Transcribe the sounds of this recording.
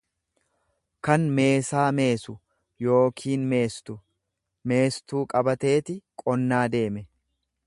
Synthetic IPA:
kɐnme̞ːsaːme̞ːsʊ | jo̞ːkʰiːnmeːst̪ʊ | me̞ːst̪uːkʼɐbɐt̪e̞ːt̪ɪkʼɔnːaːd̪e̞ːmɛ

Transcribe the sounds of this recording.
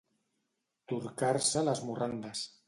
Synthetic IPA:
t̪uɾkaɾsalazmurand̪as

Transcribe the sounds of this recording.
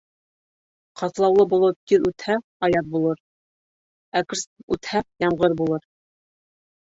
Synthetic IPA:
qɑt̪lˠɑwlˠɤbulˠɤp̚t̪iɾʉt̪hæɑjɑt̪̚bulˠɤɾ | ækɾsʉt̪hæjɑmʁɤɾbulˠɤɾ

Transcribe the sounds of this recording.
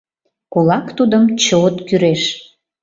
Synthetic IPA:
kulɑkt̪ud̪əmt͡ɕoot̪kyɾeʃ

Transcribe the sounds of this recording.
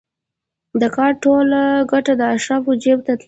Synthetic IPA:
d̪əkɑɾʈolɡaʈad̪əaʃɾafod͡ʒeb̚t̪at̪

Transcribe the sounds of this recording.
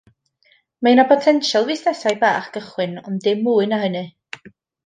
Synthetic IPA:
maɨnapʰɔtʰɛnʃalˠvɨsnɛsajbaːχɡ̥əχwɨnɔ̰ndɪmːuːɨnaɦənɨ

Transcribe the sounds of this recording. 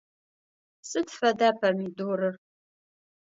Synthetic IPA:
sɨdfɐdaːpʰɐmidoːɾɨr

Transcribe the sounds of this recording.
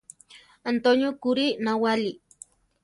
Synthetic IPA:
ant̪onjokuɾinawali

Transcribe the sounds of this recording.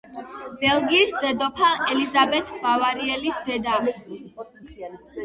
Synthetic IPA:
b̥ɛlɡiːsd̪ɛd̪ɔpʰaɛlizabɛt̪ʰbavaɾiɛlisd̪ɛd̪am

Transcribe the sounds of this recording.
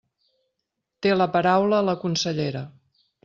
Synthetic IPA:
t̪eləpəɾawləːləkunsəʎeɾə

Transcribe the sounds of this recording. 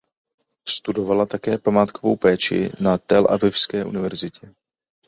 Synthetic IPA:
st̪udo̞valat̪akɛːpamaːt̪kovowpɛːt͡ʃɪ̰nat̪ɛlʔa̰vɪfskɛːʔunɪvɛɾzɪcʰɛ

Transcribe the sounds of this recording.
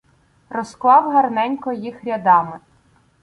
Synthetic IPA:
rɔsklˠɑwɦɐrnɛnʲkɔjixɾʲɐd̪ɑmɪ

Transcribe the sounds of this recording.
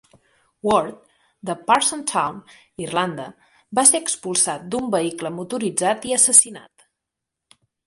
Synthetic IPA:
wɔɾt̪̚ | d̪əpaɾsənt̪ʰawn | irland̪ə | baseɾəkspulˠsat̪̚d̪umbəikləmut̪uɾid͡zat̪iəsəsina̰t̪

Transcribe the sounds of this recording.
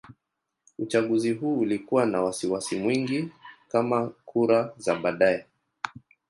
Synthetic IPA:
ut͡ʃaɠuziɦuːulikuwanawasiwasimwiŋɡikamakʰuɾazaɓaɗajɛ

